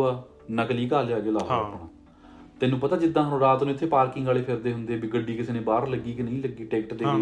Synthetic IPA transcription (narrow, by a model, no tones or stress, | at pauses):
aː | nəkliːkaːljaːɡeːlaːəpːəɳãː | t̪eːnũːpət̪aːd͡ʒɪd̪ãːɦənõːɾaːt̪nũːɪt̪ʰːeːpaːɾkɪŋɡaːleːpʰɪɾd̪eːɦʊnd̪eːbiɡəɖiːkɪseːnẽːbaːɾləɡːiːkɪnəĩːləɡːiːʈɛːkʈd̪eː